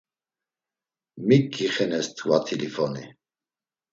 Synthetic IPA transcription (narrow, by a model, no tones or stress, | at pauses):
mikːiχɛnɛst̪ʰwat̪ʰilifɔni